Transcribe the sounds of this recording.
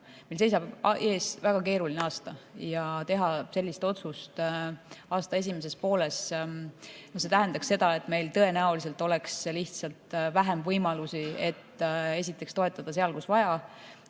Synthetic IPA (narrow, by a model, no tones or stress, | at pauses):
melse̞js̬ɑbʔe̞ːsvæɡ̥ɑke̞ːɾulineɑːst̪ɑjɑt̪e̞ɦɑse̞lːist̪o̞t̪sust̪ | ɑːst̪ɑe̞sʲime̞s̬e̞spo̞ːle̞s | nohs̬e̞t̪æɦend̪̥ɑksːe̞d̪̥ɑe̞t̪me̞jlt̪ɤ̞e̞næolis̬e̞lt̪ːˑo̞le̞ksliht̪sɑlt̪væɦemvɤjmɑlusie̞t̪ːe̞sit̪ːˑe̞kst̪o̞e̞t̪ːˑɑd̪̥ɑseɑlkusvɑjɑ